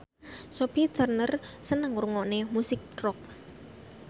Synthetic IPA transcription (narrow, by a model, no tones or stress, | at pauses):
sopit̪ərnərsənəŋuɾuŋɔnemusɪk̚rɔk̚